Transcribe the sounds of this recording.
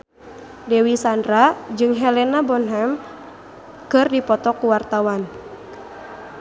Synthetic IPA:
dɛwisandɾad͡ʒɨŋɦɛlɛnabɔnɦɛm | kɨrdipɔt̪ɔkuwart̪awan

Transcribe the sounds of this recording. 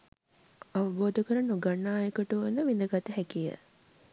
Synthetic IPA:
aʋəboːd̪əkəɾənoɡanːaːjəkəʈuʋnəʋind̪əɡat̪əɦækijə̰

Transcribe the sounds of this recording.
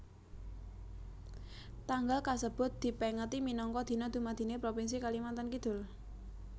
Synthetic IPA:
t̪aŋɡalkasəb̥ʊ̤t̪̚d̪̥i̤pɛŋət̪iminɔŋkɔd̪̥i̤nɔd̪̥ṳmad̪̥i̤nepɾopins̬ikalimant̪ankid̪̥ʊ̤l

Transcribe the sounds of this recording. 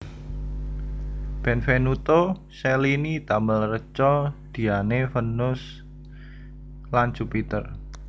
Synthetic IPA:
b̥ɛnfenut̪o | selinit̪aməlrət͡ʃɔd̪̥i̤anefənʊs | land͡ʒ̥upit̪ər

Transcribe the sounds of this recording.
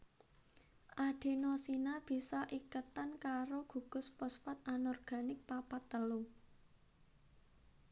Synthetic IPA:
ʔaɖ̥e̤nɔsinab̥i̤sɔʔikət̪ankaɾoɡ̥ṳɡ̥ʊ̤spɔspɔt̪̚anɔrɡ̥a̤nɪk̚papat̪ːəlu

